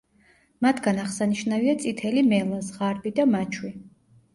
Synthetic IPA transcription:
mat̪ʰɡanaʁsaniʃnaviat̪sʼit̪ʰɛlimɛlˠazʁaɾbid̪amat͡ʃʰwi

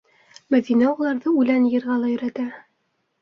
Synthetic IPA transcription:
mæðinæulˠɑɾðɤʉlænjɤ̆ɾʁɑlˠɑjɵ̆ɾæt̪æ

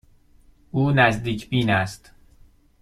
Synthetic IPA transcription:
ʔuːnæzd̪iːcʰbiːnæst̪

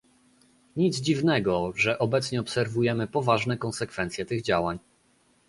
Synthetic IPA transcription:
ɲid̪zd͡ʑivnɛɡɔʐɛʔɔbɛt̪sɲɛɔpsɛɾvujɛmɘpɔvaʐnɛkɔnsɛkfɛnt̪sʲjɛt̪ɘɣd͡ʑawaɲ

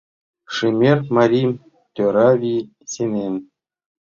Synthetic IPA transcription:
ʂɨmʲerʲmaɾʲim | t̪ʲoɾavʲi | sʲenʲenʲ

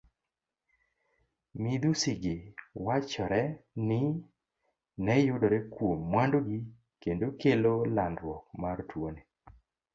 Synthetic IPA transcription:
mid̪usiɡɪwat͡ʃɔɾɛnɪ | nɛjʊdɔɾɛkwomːwandoɡi | kendokelolandɾwɔk̚martwone

